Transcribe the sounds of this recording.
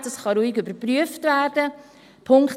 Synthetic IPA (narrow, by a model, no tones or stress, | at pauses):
dɑsχɑɾuːiɡʏbəɾpɾyəftvæːrd̥ə | pʰʊŋk